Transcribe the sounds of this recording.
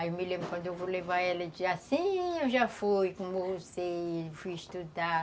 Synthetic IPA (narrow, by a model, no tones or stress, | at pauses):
aewmilẽbɾʊkwɐ̃nd̪ʊewvolẽvaɛlɐd͡ʒiasĩewʒafujkõmevosejfujiʃt̪ud̪a